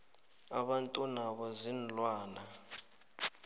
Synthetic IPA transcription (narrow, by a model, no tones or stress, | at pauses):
aɓantʼunaɓɔzinlwaːna